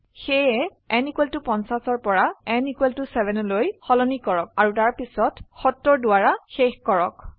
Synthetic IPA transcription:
xejɛ | ɛnikweltupɔnsasɔɹpɔɹaɛnikwɛltusɛbʱɛnɔlojxɔlɔnikɔɹɔk̚aɹutaɹpisɔtxɔtːɔɹdʊaɹaxexkɔɹɔk

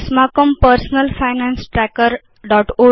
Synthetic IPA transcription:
smakəmpəɾsnəlfajnãnsʈɾɛkəɾ | ɖɔːʈo

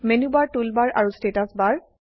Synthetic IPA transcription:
menubaɹtulbaɹʔa̰ɹustetasbaɹ

